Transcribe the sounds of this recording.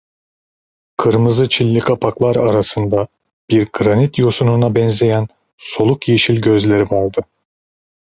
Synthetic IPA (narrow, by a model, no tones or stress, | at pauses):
kʰɯɾmɯzɯt͡ʃʰilʲːikʰapʰaklˠaɾaɾasɯnd̪a | b̥iɾɡɾanit̪jo̞sununabɛnze̞jæn | so̞lˠukjeʃilʲɟøzlʲe̞ɾimo̞lˠd̪ɯ